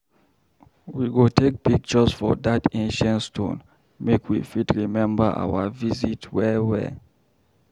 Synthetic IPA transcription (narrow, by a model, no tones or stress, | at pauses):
wiɡotek̚b̥iɡ̚t͡ʃɔsfɔ̰ðatʰẽnʃə̃ntstʰõ̰n | mekʰwḭfitɹimɛ̃mbəʔa̰wəvizitwɛwɛ̰